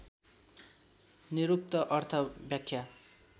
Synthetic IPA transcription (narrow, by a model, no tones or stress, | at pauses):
niɾuk̚t̪ʌʔʌrt̪ʰʌbjakʰːja